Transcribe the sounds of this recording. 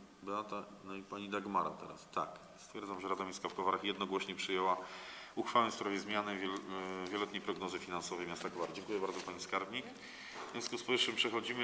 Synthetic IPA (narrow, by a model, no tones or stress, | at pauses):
bɘwat̪a | nɔipaɲid̪aɡmaɾa̰t̪ɛɾa̰st̪a̰k | st̪fʲjɛɾd̪zamʐɛɾad̪amʲiskafkɔvaɾaxjɛd̪nɔɡwɔɕɲɛpʂɘjɛwauxfawɛ̃spɾɔvʲjɛzmʲjanɛvʲvʲjɛlɛt̪ɲejpɾɔɡnɔzɘfʲinansɔvɛjmjast̪akɔvaɾad͡ʑɛŋkujɛbaɾd̪zɔpaɲiskaɾbɲik | vʲjɛ̃skuspɔɘfʂɘmpʂɛxɔd͡ʑimɘ